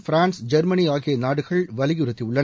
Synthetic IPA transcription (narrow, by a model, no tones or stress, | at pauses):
fɾaːnsd͡ʒɐɾmɐniaːɣɪjɐnaːɽɯɣɐɭʋɐlɪɣɯɾɐt̪ːiʊɭːɐ